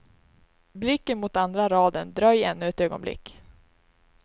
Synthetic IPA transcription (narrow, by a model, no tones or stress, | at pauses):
blɪkːənmʊt̪and̪ɾaɾɑːd̪ənd̪ɾœjːɛnːɵɛt̪øːɡɔ̰nblɪ̰kː